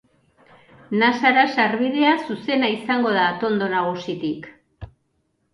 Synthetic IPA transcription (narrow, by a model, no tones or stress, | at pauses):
nasaɾasaɾβið̞e̞asuse̞naisaŋɡo̞ð̞aːt̪o̞nd̪o̞naɣ̞usit̪ik